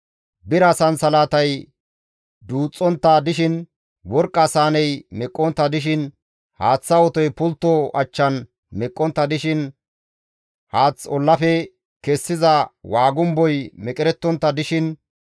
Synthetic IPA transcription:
bɪɾɐsɐnsɐlaːt̪ɐj | d̪uːt͡sʼːɔnt̪ːɐd̪ɪʃɪn | wɔɾkʼːɐsaːnɛjmɛkʼːɔnt̪ːɐd̪ɪʃ̬ɪn | haːt͡sːɐwɔt̪ɔjpʊlt̪ːɔɐt͡ʃːɐn | mɛkʼːɔnt̪ːɐd̪ɪʃɪn | haːt͡sːɔlːɐfɛ | kɛsːɪzɐwaːɡʊmbɔjmɛkʼɪɾɛt̪ːɔnt̪ːɐd̪ɪʃɪn

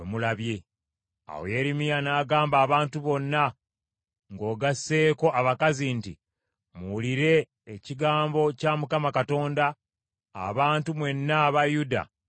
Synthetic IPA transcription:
wemulaβje̞ | a̰wo̰je̞ɾimijanaːɡaːmbaːβaːntuβo̞nːa | ŋɡo̞ːɡasːe̞ːko̞ʔaβakazintḭ | muuliɾe̞ː | ciɡaːmbo̞camukamakato̞ːnda̰ː | βaːntumwe̞nːaβajuda̰

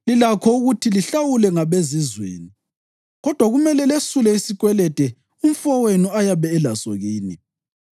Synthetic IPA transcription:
lilakʰɔuɣutʰiliɬawulɛŋaβezizwḛːni | ɣɔd̥ʱwaɣumɛlɛlesulɛisiɣwɛlɛd̥ʱɛ | um̩fɔwenuajaβɛːlaso̰ɣiːnḭ

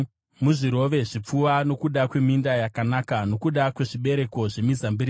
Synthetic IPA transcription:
muʐiɾo̞ʋe̞ʐip͡fuʋano̞kuɗakwe̞mindajakanakano̞kuɗakwe̞ʐiɓe̞ɾe̞ko̞ʐe̞mizambiri

